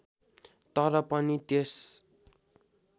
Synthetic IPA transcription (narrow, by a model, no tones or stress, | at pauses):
t̪ʌɾʌpʌnit̪es